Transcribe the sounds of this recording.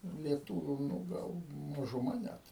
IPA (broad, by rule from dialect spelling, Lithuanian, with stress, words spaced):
lʲiɛˈtuːʋʲʊ ˈnʊ ˈɡɐlˠ mɐʒʊˈmɐ ˈnʲæt